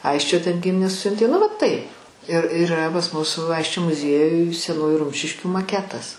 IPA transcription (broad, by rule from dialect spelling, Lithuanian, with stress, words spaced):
ˈɐɪsʲt͡ʃʲoː tʲɛn ˈɡʲɪmʲɪnʲeːs ˈsʲʊnʲtʲeː nʊ ˈʋɐ ˈtɐɪp ɪr ɪˈrɐ pɐs ˈmʊs ˈɐɪsʲt͡ʃʲoː mʊˈzʲiɛjʊj sʲɛˈnuːjʊ ˈrʊmʲʃʲɪʃʲkʲuː mɐˈkʲæːtɐs